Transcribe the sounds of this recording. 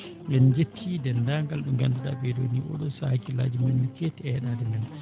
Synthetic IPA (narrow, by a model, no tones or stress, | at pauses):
ʔɛnd͡ʒetʰːidɛndaŋɡalɗuŋɡandaɗa̰ɓɛdo̰niʔɔ̰ɗɔsahkila̰ːd͡ʒimɛnːikɛtɛɛɗadɛmɛn